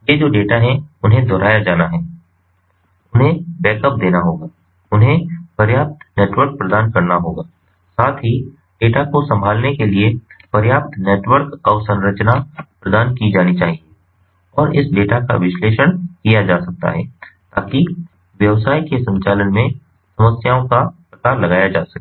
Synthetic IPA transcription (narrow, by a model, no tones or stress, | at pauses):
jed͡ʒoːɖeːʈaɦɛ̃ʊnɦẽd̪ʱɔːɾaːjad͡ʒaːnaɦɛː | ʊnɦẽbɛːkəp̚d̪eːnaɦoːɡaː | ʊnɦẽpɐɾjaːp̚t̪neːʈwəɾk̚pɾɐd̪aːnkɐɾnaɦoːɡaː | saːt̪ʰɦi | ɖeːʈakosɐ̃mbʱaːlnekeliepɐɾjaːp̚t̪neːʈwəɾkɔːɾsɐ̃nɾət͡ʃnapɾəd̪aːnkid͡ʒaːnit͡ʃaːɦie | ɔːɾɪsɖeːʈaka̰ʋɪʃleːʃəɽ̃kijad͡ʒaːsɐk̚t̪a̰ɦɛ̰ːt̪aːki | ʋjɐʋsaːikesɐ̃ɲt͡ʃaːlənmẽ | sɐməsjaːõkapɾɐkaːɾlɐɡaːjad͡ʒaːsɐkː